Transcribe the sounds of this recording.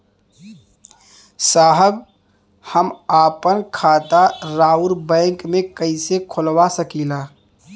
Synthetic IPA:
saːɦəb | həmaːpənkʰaːt̪aɾaːuɾbɛ̃ːŋkmẽkəisekʰʊlwasəkiːlaː

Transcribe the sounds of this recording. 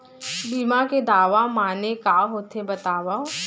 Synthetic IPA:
biːmaked̪aːʋamaːnekaːɦoːt̪ʰebɐt̪aːʋa

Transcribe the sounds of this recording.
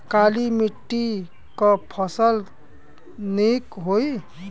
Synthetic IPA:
kalimiʈːi | kʌpʰʌsəl | nikɦoi

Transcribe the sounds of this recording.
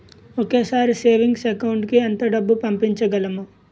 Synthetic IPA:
oke̞ːsaːɾiseːʋiŋɡsekɐwuɳɖkiɐnt̪ɐɖɐbːupɐmpiɲt͡ʃɐɡɐlɐmu

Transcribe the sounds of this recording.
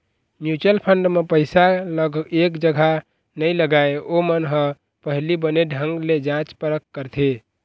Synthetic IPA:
njut͡ʃəlpʰəɳɖmepəɪsaləɡekd͡ʒəɡʱa | nəjləɡaeomənɦə̃ | pəɦlibəneɖʱəŋɡled͡ʒãt͡ʃpəɾəkːəɾt̪ʰe

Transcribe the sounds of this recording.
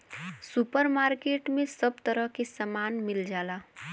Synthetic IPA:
supəɾmaːɾkeːʈmẽsəbt̪əɾəɦkesəmaːnmɪld͡ʒaːlaː

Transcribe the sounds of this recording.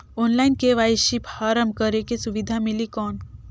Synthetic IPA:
oːnlaːɪnkeʋaiʃiphaːɾəmkəɾekesuʋid̪ʱamilikɔːn

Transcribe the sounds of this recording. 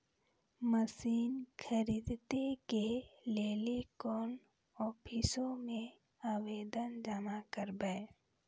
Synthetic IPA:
məsiːnxʰəɾiːd̪t̪ekeleːlikɔːn | ɔːpʰɪsomẽ | aːweːd̪ənd͡ʒamakəɾbɛ

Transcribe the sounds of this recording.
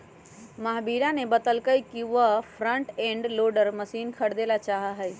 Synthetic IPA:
məɦbiɾanebət̪əlkəjkiʋəpʰɾə̃ɳʈẽɳɖloɖəɾməsinkʰəɽ̤d̪elat͡ʃaɦəɦɛj

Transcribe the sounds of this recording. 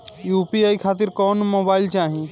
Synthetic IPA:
juːpiaːikʰaːt̪̬ɪɾkɔːnmoːbaːɪlt͡ʃaːɦẽː

